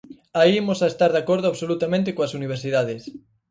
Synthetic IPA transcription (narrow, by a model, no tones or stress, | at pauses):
aiemosaest̪aɾðakoɾð̞ʊaβsolut̪amẽnt̪ekoasuniβ̞eɾsiðað̞es